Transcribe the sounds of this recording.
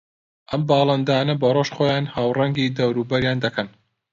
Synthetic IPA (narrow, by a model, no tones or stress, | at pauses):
ʔɐmbɑːlˠɐnd̪aːnɐbɐrˤoʃχoːjaːnhaːwrɐŋɡiːd̪ɐwɾuːbɐɾjaːnd̪ɐkʰɐn